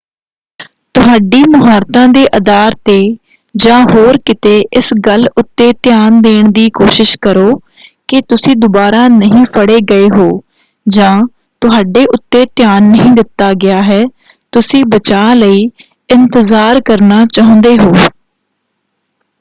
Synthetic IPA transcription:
t̪ʊɦaːɖiːmʊɦaːɾt̪ãːd̪eːʔəd̪aːɾt̪eː | d͡ʒãːɦoːɾkɪt̪eːʔɪsɡəlʊt̪ːeːt̪ɪjaːnd̪eːɳd̪iːkoːʃɪʃkəɾoː | kɪt̪ʊsĩːd̪ʊbaːɾaːnəɦĩːpʰəɽeːɡəeːɦoː | d͡ʒãː | t̪ʊɦaːɖeːʔʊt̪ːeːt̪jaːnːəɦĩːd̪ɪt̪ːaːɡɪaːɦɛː | t̪ʊsĩːbət͡ʃaːləiː | ɪnt̪əzaːɾkəɾnaːt͡ʃaːɦõnd̪eːɦoː

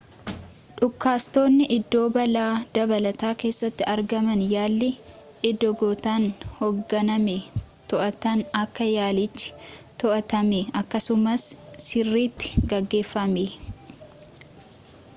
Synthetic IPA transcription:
ᶑʊkːaːst̪o̞ːnːɪʔɪd̪ːo̞ːbɐlaːd̪̥ɐbɐlɐt̪aːke̞ːsːɐt̪ːɪɐɾɡɐmɐnjaːlːɪ | ɪd̪ːɔɡoːt̪aːnhoɡːɐnɐmɛt̪ɔʔɐt̪ɐnɐkːɐjaːlɪt͡ʃːɪ̥t̪ɔʔɐt̪ɐmɛɐkːɐsʊmɐsːɪrːiːt̪ːɪ̥ɡɐɡːe̞ːfːɐme

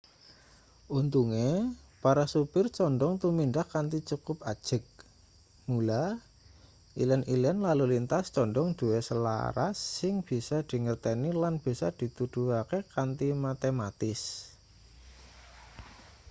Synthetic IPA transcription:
ʔunt̪uŋe | paɾasupɪrt͡ʃɔɳɖɔŋt̪uminɖahkant̪it͡ʃukʊp̚ḁʒ̥ə̤k̚ | mula | ʔilɛnʔilɛnlalulint̪ast͡ʃɔɳɖɔŋd̪̥ṳwesəla̰ɾa̰sːɪŋb̥i̤sad̪̥i̤ŋərt̪enilanb̥i̤sad̪̥i̤t̪ud̪̥uɦakekant̪imat̪emat̪ɪs

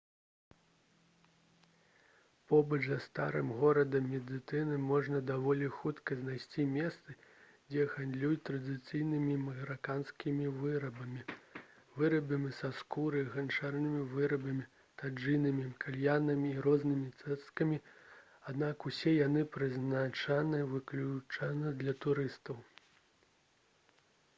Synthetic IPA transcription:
pɔbɐt͡ʂzɐst̪a̰ɾɨmɣɔɾɐd̪ɐmmʲɛd̪ɨt̪ɨnɨmɔʐnɐd̪avɔlʲixut̪kɐznajsʲt͡sʲimʲɛst̪sɨ | d͡zʲɛɣand̪lʲujut̪ɾɐd̪ɨt̪sɨjnɨmʲimɐɣɾakanskʲimʲivɨɾɐbɐmʲi | vɨɾɐbʲɨmɨsaskuɾɨɣant͡ʂarnɨmʲivɨɾɐbɐmʲi | t̪ad͡ʐɨjnɨmʲimkʰalʲjanɐmʲiːɾɔznɨmʲit̪sɛskɐmʲi | ad̪nakusʲɛjanɨpɾɨznat͡ʂanɨvɨklʲut͡ʂanɐd̪lʲɐt̪uɾɨst̪ɐw

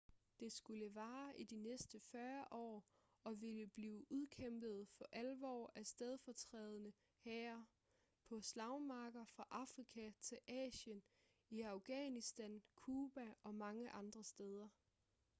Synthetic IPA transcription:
d̥e̝sɡ̥uləʋɑ̈ːʔid̥inesd̥əfɶɐʔɒ̰ː | ɒ̽ʋe̝ləb̥liːʔuð̞ˠkʰem̰b̥ð̞̩ˠfɒ̽ʔælʋɒ̰ːæsd̥eð̞ˠfɒt͡sʰʁɛːð̞ˠənə | hɛːɐ | pʰɒ̽slɑ̈ʊmɑ̈ːɡ̥ɐfʁɑ̈ʔɑ̈fʁikʰæt͡sʰe̝lʔɛ̰ːɕən | iɑ̈ʊɡ̥ɛnisd̥ænkʰuːb̥æɒ̽mɑ̈ŋəʔɑ̈nd̥ʁɐsd̥eð̞ˠɐ

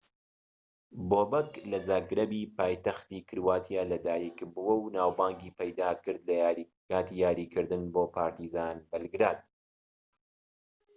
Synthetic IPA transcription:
boːbɐklɐzaːɡɾɐbiːpaːjt̪ɐxt̪iːkʰɨɾwaːt̪ʰijaːlɐd̪aːjikbuwɐwnaːwbaːŋɡiːpɐjd̪aːkɨɾd̪lɐ | kaːt̪iːjaːɾiːkʰɨɾd̪ɨnboːpʰaːɾt̪izaːnbɐlɡɾaːd̪

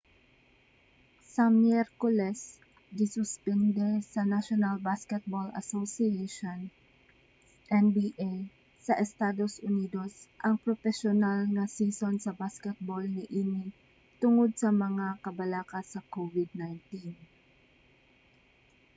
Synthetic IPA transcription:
sɐmjɛɾkolɛs | d̪ɪsʊspɛnd̪ɛsɐnaʃonalbaskɛt̪̚bolɐ̰sosieʃon | ʔɛnbiːʔej | sɐʔɛst̪aːd̪o̞sʔʊniːd̪o̞sʔɐŋpɾofɛʃonalnɐsiːsonsɐbaskɛt̪̚bolnɪʔiːnɪ | t̪ʊŋod̪̚sɐmɐŋakɐbɐlaːkɐsɐkovɪd̪̚najnt̪in

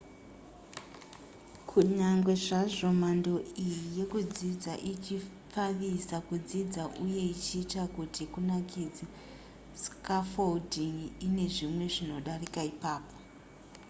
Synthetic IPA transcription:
kʰuɲaŋɡwe̞ʐaʐo̞mando̞ijije̞kud͡zid͡zaʔit͡ʃi | faʋisakud͡zid͡zaʔuje̞it͡ʃiːtakutikunakid͡za | skafoldiŋine̞ʐimwe̞ʐino̞ɗarikaipaːpo̞

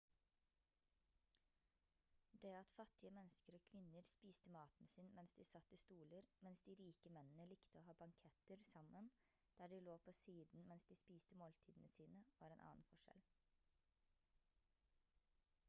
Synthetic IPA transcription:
d̪ɛːɑt̪fɑt̪ːɪəmɛnskəɾoːkʰʋɪnəɾspiːst̪əmɑːt̪n̩sɪnmɛnsd̪isɑt̪ːɪst̪uːləɾmɛnsd̪iːɾiːkəmɛnən̩əlɪkt̪əoːhɑːbɑŋkʰɛt̪əɾsɑmən | d̪̥æːɖɪloːpʰoːsiːd̪n̩mɛnsd̪iːspiːst̪əmoːlt̪ʰiːd̪n̩əsiːnəʋɑːɾɛeːnʔɑ̰ːnfɔʂɛ̰l

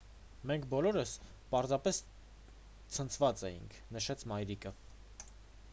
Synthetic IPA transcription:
mɛŋkʰbɔlɔɾəs | pɑɾzɑpɛs | t͡sʰənt͡sʰvɑt͡sɛjḭŋkʰnəʃɛt͡sʰmɑjɾikə

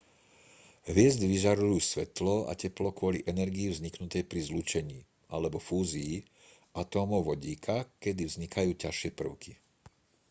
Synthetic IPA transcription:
ɦʋɪɛzd̪ʋiʒaɾujuːsʋɛt̪lɔa̰cɛplɔkʊɔliʔɛnɛɾɡiivzɲiknut̪ɛjpɾizlut͡ʃɛɲiː | ʔalɛbɔfuːzijː | at̪ɔːmɔʊʋɔɟiːkʰakɛd̪ivzɲikʰajuːcaʃɪɛpr̩ʊki

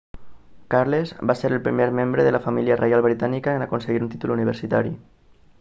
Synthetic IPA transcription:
kaɾlezβaseɾəlpɾḭmeɾmembɾeðəlafamiliərʔejalˠβɾit̪anikaenakonseɣiɾunt̪it̪uluniβ̞əɾsit̪aɾi

